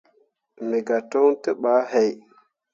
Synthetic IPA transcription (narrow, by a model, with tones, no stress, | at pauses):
mi˨ɡa˨to˦ŋtə˦ɓa˨˦he˨j